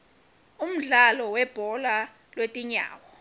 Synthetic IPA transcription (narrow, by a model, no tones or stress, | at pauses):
um̩ɮalɔwɛb̥ʱɔla | lwetʼiɲa̰ːwɔ